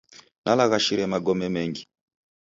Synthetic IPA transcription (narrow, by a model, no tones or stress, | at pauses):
nʔalaɣaʃiɾɛmaɡɔmɛmɛŋɡi